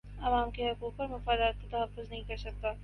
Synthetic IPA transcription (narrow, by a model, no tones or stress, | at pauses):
ɐʋaːmkeɦʊkuːk̚pɐɾmʊfaːd̪aːt̪̚ket̪ɐɦɐfːʊznɐɦĩkɐɾsɐk̚t̪aː